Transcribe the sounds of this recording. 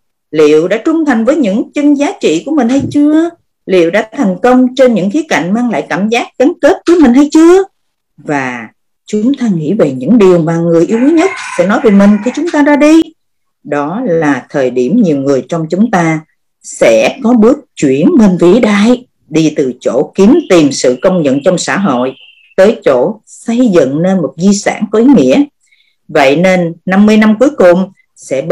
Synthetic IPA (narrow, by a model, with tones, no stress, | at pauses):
lḭ˧˨əwɗa̰ː˧˥t͡ɕʊ˧ŋ͡mt̪ʰa˨˩jŋ̟vəː˨˦jɲɨ̰˧˥ŋt͡ɕə˧ŋzaː˨˦t͡ɕḭ˧˨ku˧˩əmï˨˩ŋ̟hə˧jt͡ɕɨ˧ə | lḭ˧˨əwɗa̰ː˧˥˦t̪ʰa˨˩ŋ̟kə˧wŋ͡mt͡ɕe˧nɲɨ̰˧˥ŋki˦əka̰˧˨ŋ̟maː˧ŋla̰ː˧˨jkaː˧˩mzaː˦˥k̚ɣa˨˦ŋke˦˥t̚vɨ˨˧˦jmi˨˩ŋ̟hə˧jt͡ɕɨ˧ə | vaː˨˩ | t͡ɕʊ˨˦ŋ͡mt̪aː˧ŋḭ˧˥ve˨˩ɲɨ̰˧˥ŋɗi˨˩əwmaː˨˩ŋɨ˨˩əjʔi˧əwi˨˦ɲə˦˥t̚sɛ̰˧˥nɔ˨˦jve˨˩mï˨˩ŋ̟xi˧t͡ɕʊ˨˦ŋ͡mt̪aː˧ɗaː˧ɗi˧ | ɗɔ˨˦laː˨˩t̪ʰəː˨˩jɗi˧˩əmɲi˨˩əwŋɨ˨˩əjt͡ɕɔ˧wŋ͡mt͡ɕʊ˨˦ŋ͡mt̪aː˧ | sɛ̰˧˥kɔ˨˦ɓɨ˦˥ək̚t͡ɕwi˧˩ənme˧nvi˨˧˨ɗaː˧j | ɗi˧t̪ɨ˨˩t͡ɕo̰˧˥ki˨˦mt̪i˨˩msɨ̰˧˨kə˧wŋ͡mɲə̰˧˨nt͡ɕɔ˧wŋ͡msa̰ː˧˥ɦo̰˧˨j | t̪əː˨˦jt͡ɕo̰˧˥ | sə˧jzɨ̰˧˨ŋne˧nmo˨˩t̚zi˧sa̰ː˧˩nkɔ˨˦ʔi˨˦ŋḭ˧˥ə | və̰˧˨jne˧nːa˧mːɨ˧əjna˧mku˨˦jkʊ˨˩ŋ͡m | sɛ̰˧˥